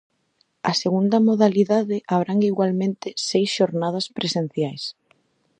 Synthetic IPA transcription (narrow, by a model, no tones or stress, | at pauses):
ɐseɣund̪ɐmoðaliðaðɪʔaβɾaŋiɣwalmẽnt̪ɪsejsʃoɾnaðɐspɾesen̟θjajs